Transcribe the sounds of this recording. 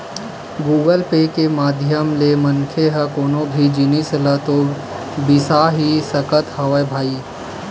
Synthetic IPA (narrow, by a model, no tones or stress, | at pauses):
ɡuːɡəlpeːkemaːd̪ʱjəmlemənkʰeɦəkoːnõbʱid͡ʒinislət̪o | bisaɦisəkət̪hɐʋəjbʱaːiː